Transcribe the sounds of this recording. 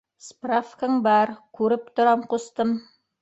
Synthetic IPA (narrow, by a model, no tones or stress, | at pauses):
sprafkəŋbɑɾkʉɾɘp̚t̪ŏɾɑmqust̪ɤm